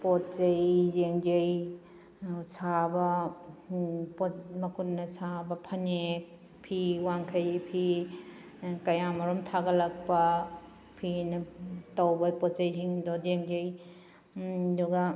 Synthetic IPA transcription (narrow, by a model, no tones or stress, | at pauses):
pott͡ʃɐjzeŋd͡ʒej | sabɐ | pomɐkʰutnɐsabɐpʰɐnek̚ | pʰiwaŋkʰɐjpʰi | kɐjamɐɾumtʰaɡɐlɐk̚pɐ | pʰinɐtawbɐpɔt̚t͡ʃɐjziŋdɔdeŋd͡ʒej | duɡa